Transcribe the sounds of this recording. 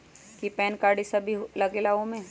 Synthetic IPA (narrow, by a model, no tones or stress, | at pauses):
kipɛːnkaːɾɖisɐbʱilɐɡelaːõmẽ